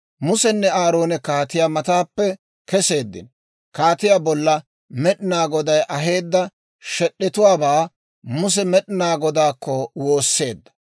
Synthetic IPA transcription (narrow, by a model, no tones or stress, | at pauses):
mʊsɛnːɛaːɾo̞ːnɛkaːt̪ɪjaːmɐt̪aːpːɛ | kɛse̞ːd̪ːɪ̰n | kaːt̪ɪjaːbɔlːɐ | mɛᶑɪnaːɡɔd̪ɐjʔɐɦe̞ːd̪ːɐ | ʃɛɗːɛt̪ʊwaːbaː | mʊs̬ɛmɛɗɪnaːɡɔd̪aːkːɔwo̞ːsːe̞ːd̪ːɐ̥